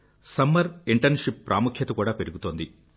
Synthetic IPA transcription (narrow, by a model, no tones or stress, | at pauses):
sɐmːɐɾiɳʈɐɾnʂipːɾʔa̰ːmukʰjɐt̪ɐkuːɽaːpe̞ɾuɡut̪oːnd̪i